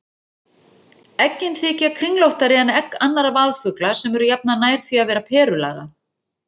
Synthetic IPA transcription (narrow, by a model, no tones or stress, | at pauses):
ɛcːɪnθɪcakʰɾiŋlowht̪aɾɪanɛkanːaɾavaːðfʏklḁsɛmɛɾʏjap̚nanaːjɾ̥θviaðvɛːɾapʰɛːɾʏla̰ːɣa̰